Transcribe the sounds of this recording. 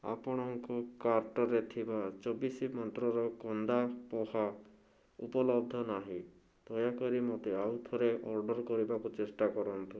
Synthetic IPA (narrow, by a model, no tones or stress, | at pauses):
a̰pɔɽ̃ɔŋkukaɾʈɔɾet̪ʰibat͡ʃɔbisimɔnt̪ɾɔɾɔkɔnd̪apɔha | upɔlɔbd̪ʱːɔnaɦĩ | d̪̥ɔjakɔɾimɔt̪eawt̪ʰɔɾeʔɔɾɖɔɾkɔɾibakut͡ʃesʈakɔɾɔnt̪u